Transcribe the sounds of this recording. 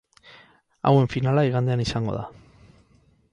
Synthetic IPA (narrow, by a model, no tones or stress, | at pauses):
a̰we̞ɱfinalaiɣand̪eanisaŋɡo̞̰ða̰